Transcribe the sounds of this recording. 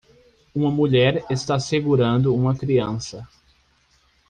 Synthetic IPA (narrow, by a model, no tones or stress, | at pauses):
ũmɐmuʎɛɾest̪aseɡuɾɐ̃nd̪ʊũmɐkɾiɐ̃sɐ